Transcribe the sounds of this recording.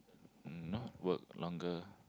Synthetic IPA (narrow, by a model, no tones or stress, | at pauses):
nɔwək̚lʔɔ̃ŋɡə